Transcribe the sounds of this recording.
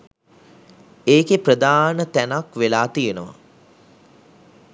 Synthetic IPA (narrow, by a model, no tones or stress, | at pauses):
eːkeprəd̪aːnət̪ænakʋelaːt̪ijenəʋa̰